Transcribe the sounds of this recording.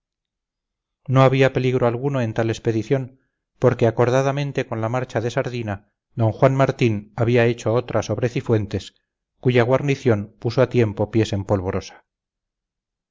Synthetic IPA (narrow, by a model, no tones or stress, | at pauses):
no̞aβ̞iape̞liɣɾoalɣunoe̞nt̪ale̞spe̞ðiθjo̞n | po̞ɾkeako̞ɾð̞aðamẽ̞nt̪e̞ko̞nlamaɾt͡ʃaðe̞saɾðina | d̪o̞ŋxwanmaɾt̪inaβiae̞t͡ʃo̞ot̪ɾaso̞βɾe̞θifwe̞nt̪e̞s | kuʝaɣwaɾniθjo̞npusoat̪je̞mpo̞pje̞se̞mpo̞lβo̞ɾo̞sḁ